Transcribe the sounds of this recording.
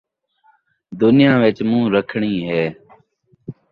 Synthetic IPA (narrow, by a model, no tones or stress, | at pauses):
d̪ʊnɪjãːʋɪt͡ʃmũːɾəkʰɳiːɦɛː